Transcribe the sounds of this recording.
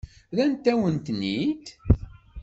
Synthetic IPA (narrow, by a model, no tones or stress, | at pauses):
ðænt̪ːæwənt̪nit̪